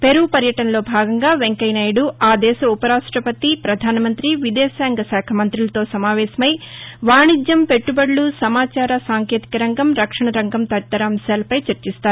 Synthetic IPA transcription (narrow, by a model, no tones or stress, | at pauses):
peɾupɐɾjɐʈɐnɐlo̞ːbʱaːɡɐŋɡaːʋe̞ŋkɐjnaːjɽuaːd̪ɛːʃɐupɐɾaːʂʈɾɐpɐt̪ipɾɐd̪ʱaːnɐmɐnt̪ɾiʋid̪ɛːsaːŋɡɐsɛːkʰɐmɐnt̪ɾilɐt̪o̞ːsɐmaːʋɛːsɐmɐjʋaːɳid͡ʒjɐmpe̞ʈːubɐɽlusɐmaːt͡ʃaːɾɐsaːŋkeːt̪i̥kɐɾɐŋɡɐmɾɐkʂɐɳɐɾɐŋɡɐmt̪ɐʈt̪ːɐɾaːmʃjaːlɐpɐjt͡ʃɐɾt͡ʃist̪aːɾu